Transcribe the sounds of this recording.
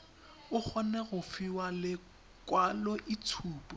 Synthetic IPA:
ʊk͡xʰɔnɛɣʊfiwalɪ | kwalɔʔit͡sʰuːpʼɔ

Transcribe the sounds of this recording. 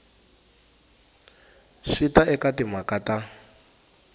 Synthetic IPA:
ʂitaɛkatimakata

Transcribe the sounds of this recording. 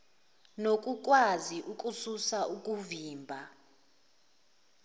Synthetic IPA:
nokʼuk̬ʼwaziʔukʼususaʔukʼuviːmbʱa

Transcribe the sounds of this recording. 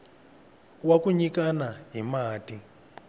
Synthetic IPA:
wakuɲikanaɦimaːti

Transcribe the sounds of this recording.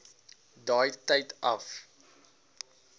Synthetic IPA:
dɑːjtɐjtɐ̰f

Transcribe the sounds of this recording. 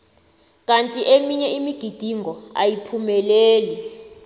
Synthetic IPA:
k̬ʼantʼiʔemiɲɛimiɡ̥ʱid̥ʱiŋɡɔa̰jipʰumɛleːli

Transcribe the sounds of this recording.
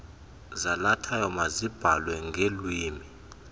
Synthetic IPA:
zalatʰajɔmazib̥ʱalwɛŋʱelwiːmi

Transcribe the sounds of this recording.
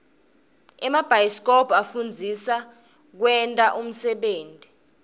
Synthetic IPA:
ɛmab̥ʱajskʰʼɔbafund͡zʱisa | k̬wɛntʼaʔum̩sɛɓeːntʼi

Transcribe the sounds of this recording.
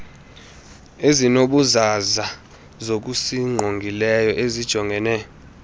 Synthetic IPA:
ezinoɓuzaza | zok̬usiŋ͡ǃʱoŋɡʱilɛjɔʔezid̥ʒ̥ʱɔŋɡʱɛnɛ

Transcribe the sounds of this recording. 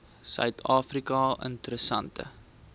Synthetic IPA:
sœ̰ɥtʰɑːfrikɑʔə̰ntəɾəsɐntə̰

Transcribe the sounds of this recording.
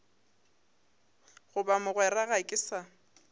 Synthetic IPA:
ɣʊbamʊɣwɛraɣaɪkʼɪsa

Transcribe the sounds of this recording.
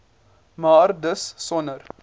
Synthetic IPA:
maːɾdəssɔnəɾ

